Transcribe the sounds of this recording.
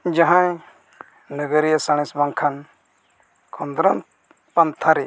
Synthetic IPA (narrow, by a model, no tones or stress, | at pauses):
d͡ʒaɦãj | nəɡəɾijasaɽ̃ɛ̃sbaŋkʰan | kʰɔnd̪ɾɔn | pant̪ʰaɾɛ